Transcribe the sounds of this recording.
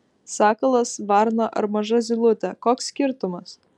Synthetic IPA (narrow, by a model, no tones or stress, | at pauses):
sɑːkɐlˠɐsʋɐɾnɐʔɐ̰ɾmɐʒɐzʲɪlˠʊt̪ʲɛkoːksːʲkʲɪɾt̪ʊmɐs